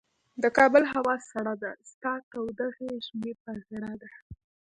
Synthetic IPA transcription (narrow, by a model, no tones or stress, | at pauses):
d̪əkɑbəlɦawɑsaɽɑd̪ast̪ɑt̪awd̪aɣeʒmepaɣɪɽad̪a